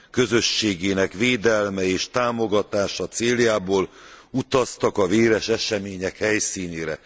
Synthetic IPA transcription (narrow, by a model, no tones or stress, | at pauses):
kø̞zø̞ʃːeːɡeːnɛkveːd̪ɛlmɛeːʃt̪aːmo̞ɡɒt̪aːʃɒt̪seːljaːboːlut̪ɒst̪ɒkɒveːɾɛʃɛʃɛmeːɲɛkhɛjsiːneːɾɛ̰